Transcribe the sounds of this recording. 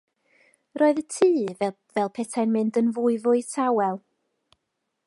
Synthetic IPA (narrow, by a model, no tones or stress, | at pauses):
rʔoːɨðətʰiː | vɛlˠpʰɛtʰajnmɪndənvuːɨvʊɨtʰawɛlˠ